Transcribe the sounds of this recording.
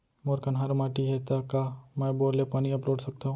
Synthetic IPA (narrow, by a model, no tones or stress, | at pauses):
moːɾkɐnɦaɾmaːʈiɦɛt̪akamɛ̃ːboːlepaːniɐpɾoːʈsɐk̚t̪aɦũː